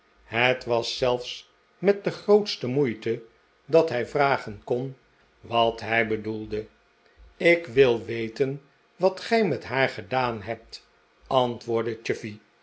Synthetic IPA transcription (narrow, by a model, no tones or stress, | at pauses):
ɦətʋɑsɛlˠfs | mɛt̚dəχrowtstəmujtə | dɑtɦɛjvraːχənkɔn | ʋɑtɦɛjbədulˠdə | ɪkʋɪlˠʋejtən | ʋɑtχɛjmɛtɦaːɹχədaːnɦɛp̚t | ɑntʋʊːɹdət͡ʃʏfi